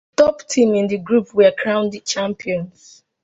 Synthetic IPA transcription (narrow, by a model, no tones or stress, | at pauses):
tɔptʰĩmĩndiɡɹupwɛkʰɹãʊ̃nd̚t͡ʃãmpiɔ̃ns